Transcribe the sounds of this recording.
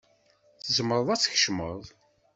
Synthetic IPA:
θθəzəməɾˤəðˤæt͡sːçʃmə̰ðˤ

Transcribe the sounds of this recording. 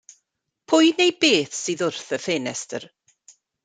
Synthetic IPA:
pʰʊjnejbeːθsɨːðʊrθəfeːnɛstə̰r

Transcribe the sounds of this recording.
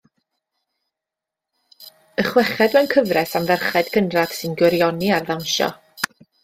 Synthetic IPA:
əχwɛχɛdwɛnkʰəvrɛsamvɛrχɛd̥kʰənrad̥sɨnɡwɪɾjɔniarðawnʃɔ̰

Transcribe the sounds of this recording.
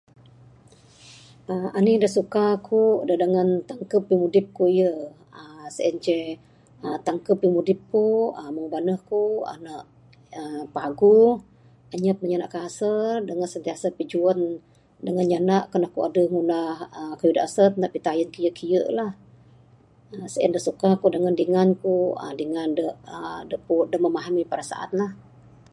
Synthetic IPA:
ʔəmanidəhsukakʰudəhdəŋant̪aŋkəpːimudɪp̚kuijə | əsəʔənt͡ʃɛ | ət̪aŋkəpːimudɪp̚kuəməŋbanəhkua̰naʔ | əpaɡu | aɲət̪̚məɲana̰ʔkasədəŋansənt̪iasapid͡ʒuən | dəŋanɲanaʔkənakua̰dəŋunahəkajuda̰ʔsət̪̚naʔpit̪ajənkijəʔkʰijəʔlah | əsəʔə̰ndəsukakudəŋandiŋankṵdiŋandəʔədəʔpudəhməmaɦamipəɾasa̰ʔa̰t̪lah

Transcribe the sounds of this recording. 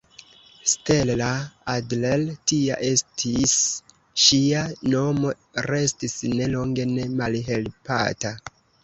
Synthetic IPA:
ste̞llaadleltia̰ʔe̞stʰis | ʃiano̞mo̞ | ɾe̞stisne̞lo̞ŋɡe̞ne̞malɦe̞lpa̰ta

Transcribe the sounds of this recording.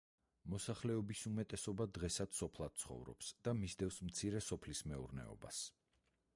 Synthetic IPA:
mɔsaχlɛɔbisumɛt̪ʼɛsɔbad̪ʁɛsad̪sɔpʰlˠad̪̥̚t̪sʰχɔ̰vɾɔ̰psd̪̥amisd̪ɛfsmt̪sʰiɾɛsɔpʰlismɛuɾnɛ̰ɔ̰ba̰s

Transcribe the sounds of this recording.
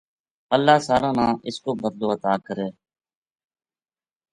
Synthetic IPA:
əlːaːsaːɾãːnãːʔɪskoːbəd̪loːət̪aːkəɾeː

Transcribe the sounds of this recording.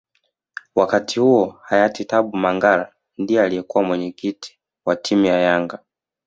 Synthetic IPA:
wakatʰihuɔhajatitaɓumaŋɡala | ndijɛaliɛkuwamwɛɲɛkiti̥ | watʰimujajaŋɡa

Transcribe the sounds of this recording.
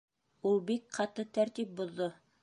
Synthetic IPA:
ulˠbik̚qɑt̪ɤt̪æɾt̪ip̚bŏðːo

